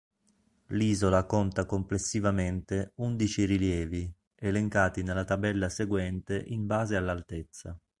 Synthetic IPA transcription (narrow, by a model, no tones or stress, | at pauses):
liːzolakont̪akomplesːivament̪eund̪it͡ʃiriljɛːvi | eleŋkaːt̪inelːat̪abɛlːaseɡwɛnt̪eʔimbaːzealːalt̪et̪sːa